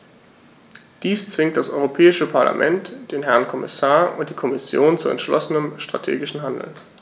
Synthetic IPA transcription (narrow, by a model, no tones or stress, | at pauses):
d̥iːst͡sv̥ɪŋktd̥asʔɔʏʁopʰɛːɪʃəpʰaɐlʔa̰mʔɛntd̥eːnɦɛɐnkʰɔmɪ̰saːɐʔʊntd̥iːkʰɔmɪsjoːnt͡suɛ̰ntʃlɔ̰sənəmʃtʁ̥a̰tʰḛːɡɪʃn̩ɦandl̩